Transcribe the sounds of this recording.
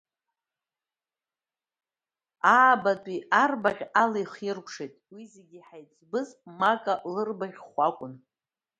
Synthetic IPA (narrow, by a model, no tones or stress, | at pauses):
aːbatʼiarbaʁʲalejχirkʷʰʼʂejtʼwizeɡʲiħajt͡sʼbɨzmakʼalɨrbaʁʲχʷakʷʼʊn